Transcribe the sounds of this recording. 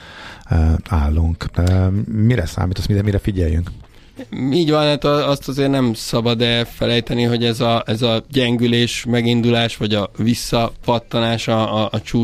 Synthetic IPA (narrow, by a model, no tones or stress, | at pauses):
aːlːuŋkː | miɾɛsa̰ːmiːt̪osmiɾɛmiɾɛfiɟɛjːy̰ŋk | iːɟvɒnd̪aːt̪ːst̪ɒzeːrnɛmsɒbɒd̪ɛfɛlɛjt̪ɛniɦo̞ɟɛzɒɛzɒɟɛŋɡyleːʃmɛɡind̪ulaːʃʋɒɟɒvisːɒpɒt̪ːɒnaːʃɒːt͡ʃuː